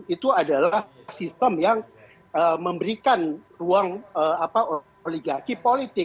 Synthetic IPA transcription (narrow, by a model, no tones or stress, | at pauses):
it̪uadalah | sist̪əmjaŋ | əməmbəɾikanruaŋəapao | liɡakipolit̪ɪ